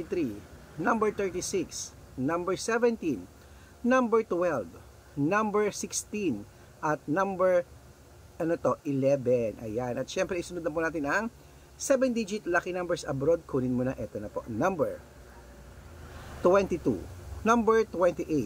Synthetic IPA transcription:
t̪ɾi | nɐmbɛɹt̪ɛɹt̪isiks | nɐ̃mbɛɹsɛvɛnt̪ĩn | nɐmbɛɹt̪wɛlv | nɐmbɛɹsɪkst̪in | ʔɐt̪̚nɐ̃mbɛɹ | ʔɐnot̪oʔɪlɛvɛnʔɐ̰janʔɐt̪ʃɛmpɾɛʔisʊnud̪ɐmp̬unaːt̪ɪnɐŋ | sɛbɛnd̪id͡ʒɪt̪lakinɐ̃mbɛɹsɐ̰bɾod̪̚kʰuːnɪnmʊnɐʔɛt̪onɐpo̞̰ʔnɐ̃mbɛɹ | t̪wɛnt̪it̪ṵnɐmbɛɹt̪wɛ̃nt̪iʔe

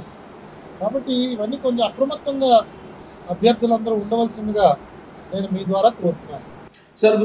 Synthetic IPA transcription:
kaːbɐʈːiːʋɐnːiːko̞ɲt͡ʃemɐpɾɐmut̪ːɐŋɡaː | ɐbʱjɐɾd̪ʱulɐnd̪ɐɾuːuɳɖɐʋɐlsinɐnd̪uɡaː | ne̞ːnumiːd̪ʋaːɾaːk̪uɾʋɐɾt̪unːaːnu | sɐɾ

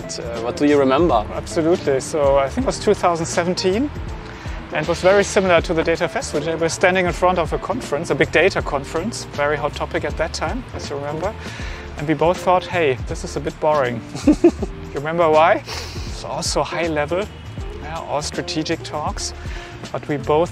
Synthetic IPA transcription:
twʌt̚d̥ɨjɨɹimɛ̃mbə˞æb̥sɨlutʰlisoʊaɪθɪ̃ŋkt̚wʌz̥tʰuθaʊzn̩dsɛṽn̩tʰĩn | ʔɨ̃nwʌzvɛɹisɪ̃ml̩ˠə˞tʰɨðɨdeɪɾɨfɛstɪvəl̩ˠeɪwə˞stæ̃ndɪ̃ŋɨ̃nfɹʌ̃ntʌvəkʰɑ̃nfəɹɨ̃nsəbɪɡ̚deɪɾəkʰɑ̃nfəɹɨ̃nsvɛɹiɦoʊtʰɔpɨkɨt̪̚ðɨtʰːãɪ̃mɨzjɨɹmɛ̃mbə˞ | ʔɨ̃nwiboʊθɔt̚heɪðɪsɨzəbɪt̚b̥ɔɹɪ̃ŋ | jɨɹɨmɛ̃mbə˞waɪsɔ̰lˠsoʊhaɪlɛvl̩ˠ | jaʔɔ̰lˠstɹ̥ɨtʰid͡ʒɨk̚tʰɔks | b̥ʌt̚wiboʊθ

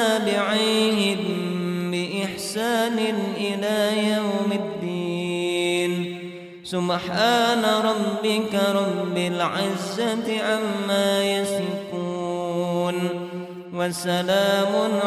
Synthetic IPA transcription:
aːbɪʕiɦɪmbɪʔɪħsaːnɪnʔɪlaːjawmɪd̪ːiːn | sʊbħaːnaɾˤɑbːɪkaɾˤɑbːɪlʕɪzːat̪ɪʕamːaːjasɾɪkuːn | wasalaːmʊn

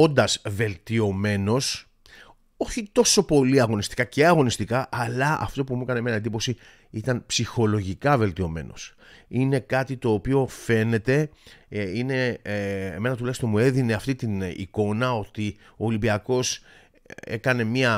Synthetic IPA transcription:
ond̪ɐzve̞lt̪io̞me̞no̞s | o̞çit̪o̞so̞po̞liɐɣo̞nist̪i̥kɐceɐɣo̞nist̪ikɐʔːlɐɐ̰ft̪o̞p̬umuekɐnemenɐend̪ipo̞si | it̪ɐnpsixo̞lo̞ʝikɐve̞lt̪io̞me̞̰no̞̰s | ine̞kɐt̪it̪o̞ːpio̞fe̞ne̞t̪e̞ | ine̞ | eme̞nɐt̪ulɐçst̪omue̞ðine̞ɐft̪it̪inḭko̞nɐo̞t̪i | o̞ːlimbiɐko̞s | ekɐne̞miɐ

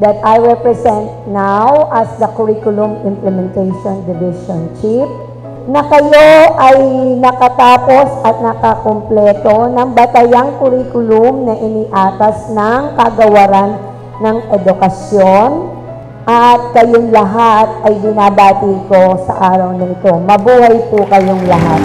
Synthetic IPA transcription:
d̪ɐt̪ajɹɛpɹɛsɛnt̪̚nawʔɐsd̪ɐkʊɹiːkʊlʊmɪmplɛmɛnt̪ɛjʃond̪ɪvɪʃont͡ʃip̚ | nɐkɐjoʔɐjnɐkɐt̪aːpo̞sɐt̪̚nɐkɐkomplɛːt̪o̞nɐŋbɐt̪ɐjaŋkʊɾiːkʊlʊmnɐʔɪniːʔaːt̪ɐsnɐŋkɐɡɐwɐɾanː | ɐŋʔɛd̪ʊkɐsjo̞n | ʔɐt̪̚kɐjoŋlɐɦat̪̚ʔɐjbɪnaːbaːt̪iko̞sɐ̰ʔaːɾɐwnɐʔɪt̪o̞mɐbuːhɐjpʊkɐjoŋlɐɦat̪

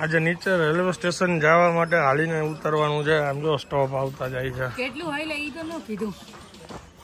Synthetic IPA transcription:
ad͡ʒenit͡ʃəɾelʋsʈeʃənd͡ʒaʋamaʈ̬eɦalineut̪əɾʋanũt͡ʃʰeamd͡ʒosʈɔpaʋt̪ad͡ʒajt͡ʃʰekeʈlũɦojleit̪onũkʰid̪ʱũ

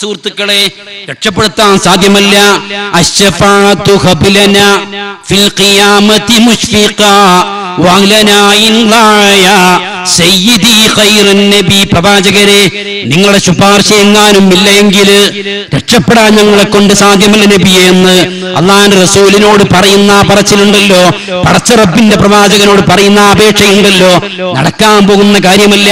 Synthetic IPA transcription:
suːrt̪ːukːɐɭe̞ | ɾeʈʂɐpːe̞ɽut̪ːaːnsaːd̪ʱjɐmɐlːɐɐɕːɐfaːʕt̪ːuhɐbilɐnafilqijaːmɐt̪imuɕfiqa | wɐlɐnaːjinlaːjɐ | sɐjːid̪ixɐjɾɐnːɐbiprɐðaːd͡ʑɐɣɐɾe | niŋːɐɭuɽe̞ɕubaːrɕɐjeŋːaːnumilːɐe̞ŋɡil | ɾeʈʂɐpːeɽaːnɲɐŋːɐɭekːo̞ɳɖɨsaːd̪ʱjɐmɐlːɐnɐbijenːɨ | ɐ̰lˠːaːɐnɨrɐsuːlino̞ːɽɨpɐrɐjunːapɐrɐt͡ɕːiluɳɖɐlːo̞ː | pɐɽɐt͡ɕːɐrɐbːinde̞prɐʋaːd͡ʑɐɣɐno̞ːɽɨpɐrɐjunːaːbeːʈʂɐjuɳɖɐlːo̞ː | nɐ̰ɽɐkːaːmpo̞ːɣunːɐkaːɾjɐmɐlːɐ

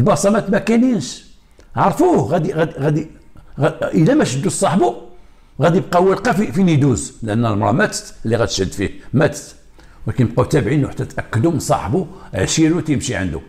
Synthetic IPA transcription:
lbɑsˤɑmæt̪mækæniənʃ | ʕɑɾˤfuɣæd̪iɣæd̪iɣæd̪i | ʔəlæmæʃəd̪ːusˤɑħbu | ɣæd̪ib̚qɑwəlqɑfifinid̪uzlʔənːælmɾˤɑ̰mæt̪t̪əlːiɣæt̪ə̥ʃhəd̪ːfihmæt̪t̪ | wlækænəb̚qut̪æbʕinwħḁt̪ːæt̪ʔækːəd̪umənsˤɑ̰ħbuʕʃiɾut̪jəmʃiʕə̰nd̪ṵ

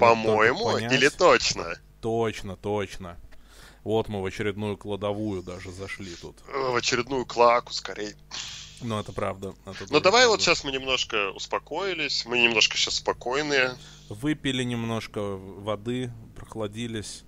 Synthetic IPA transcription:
pɐmo̞jɪmʊnʲailʲɪt̪ot͡ɕnə | t̪ot͡ɕnət̪ot͡ɕnə | vo̞t̪mɨvət͡ɕɪɾʲɪd̪nujʊklˠəd̪ɐvujʊd̪aʐɨzɐʂlʲit̪ut̪vət͡ɕɪɾʲɪd̪nujʊklˠakʊ̥skɐɾʲʔejnuɛt̪əpɾavd̪əɛt̪ənod̪ɐvajvot̪ɕːasmɨnʲɪmno̞ʂkəʊ̰spɐko̞ɪlʲɪsʲmɨnʲɪmno̞ʂkəɕassːpɐko̞jnɨjə | vɨpʲɪlʲɪnʲɪmno̞ʂkəvɐd̪ɨpɾəxlˠɐdʲilʲɪsʲ

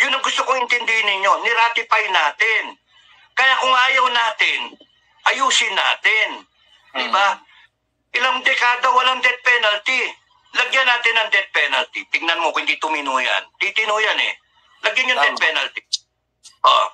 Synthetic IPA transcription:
jʊnːɐŋɡʊst̪okoŋɪnt̪ɪnd̪ɪhɪnːɪɲo̞nɪɾaːt̪ɪpɐjɪnaːt̪ɪn | kɐjakʊŋʔaːjɐwnaːt̪ɪn | ʔɐjuːsɪnːa̰ːt̪ɪn | d̪ɪba | ʔɪlaŋd̪ɛkaːd̪owɐlaŋd̪ɛt̪̚pɛnɐlt̪ɪ | lɐɡjanaːt̪ɪnɐŋd̪ɛt̪̚pɛnɐlt̪ɪt̪ɪɡ̚nɐnmokohɪnd̪it̪ʊmɪnuːjɐ̰nt̪it̪ɪnuːjɐnɛ̰ | lɐɡjanjʊŋɛt̪̚pɛnɐlt̪i | ʔo̰

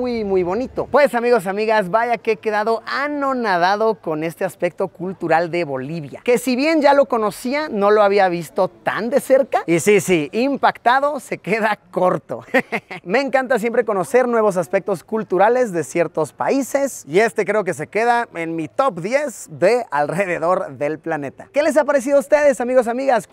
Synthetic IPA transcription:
ujmujβo̞nit̪o̞̰pwe̞samiɣo̞s̬amiɣazβaʝakeeke̞ðaðo̞ʔano̞naðaðo̞ko̞ne̞st̪e̞aspe̞k̚t̪o̞kult̪uɾald̪e̞βo̞liβja̰ke̞siβje̞nd͡ʒalo̞ko̞no̞siano̞loaβ̞iaβ̞ist̪o̞t̪a̰nd̪e̞se̞ɾkaisisiimpakt̪aðo̞se̞ke̞ðakko̞ɾt̪o̞̰me̞ːŋkant̪as̬je̞mpɾe̞ko̞no̞se̞ɾnwe̞βo̞s̬aspek̚t̪o̞skult̪uɾale̞zðe̞sje̞ɾt̪o̞spa̰ise̞sie̞st̪e̞kɾe̞o̞ke̞s̬e̞ke̞ðaenmit̪o̞pd̪je̞zðe̞alre̞ðe̞ðo̞ɾðe̞lplane̞t̪a̰ke̞les̬apaɾe̞s̬iðoust̪e̞ðe̞samiɣo̞s̬amiɣas

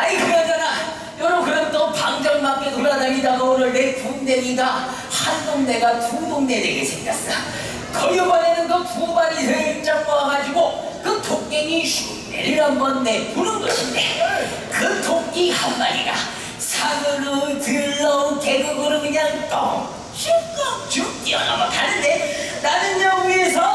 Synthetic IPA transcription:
aikɯɾad͡ʑana | jʌɾʌmkɯɾʌntʌpaŋd͡ʑʌnmak͈etoɾadaɲidaɡauɾɯɭnetoŋne̞ɲiɡa | handoŋne̞ɡatudoŋne̞deɡesʰeŋkas͈da | kʌɡobanenɯnɡʌpubaɾisʰeit͡ɕ͈ak̚p͈ʌaɡad͡ʑiɡo | kɯtʰoŋɲeŋiɕʰu | nḛɭːʌnbʌnːepunɯnɡʌɕʰinde̞ | kɯtʰoŋɡihanmaɾiɡa | sʰaɡɯɾotɯɭːʌke̞ɡuɡɯɾɯɡɯɲaŋtʌ | ɕikʌt͡ɕut͈iʌna̰makanːɯnde̞nanɯnd͡ʑʌɡue̞s̬ʰʌ

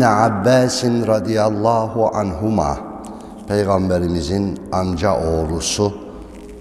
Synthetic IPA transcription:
niʕabːæːsinɾɑd̪ijalˠˤːɑːɦuʔa̰nɦuma̰ː | pʰejɣambeɾimizinamd͡ʒaʔoːɾusu

